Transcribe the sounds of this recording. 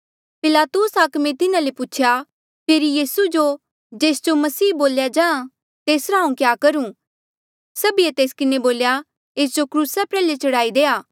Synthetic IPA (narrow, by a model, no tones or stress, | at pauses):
pɪlaːt̪ʊsaːkmẽt̪ɪnãlepʊːt͡ʃʰja | pʰeːɾijiːsud͡ʒo | d͡ʒeːsd͡ʒomɐsiːboːljad͡ʒãːã | t̪eːsɾaːũkjaːkɐɾũː | sɐbiet̪eːskɪneboːlja | eːs̬d͡ʒokɾuːsapɾɛːlet͡ʃɐɽaːid̪eːaː